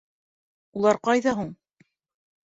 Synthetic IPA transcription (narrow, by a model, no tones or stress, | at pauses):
ulˠɑɾqɑjðɑɦuɴ